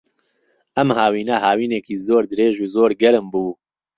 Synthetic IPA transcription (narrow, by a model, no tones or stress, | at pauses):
ʔɐmhaːwiːnɐhaːwiːneːkiːzoːɾd̪ɨɾeːʒuːzoːɾɡɛɾɨmbuː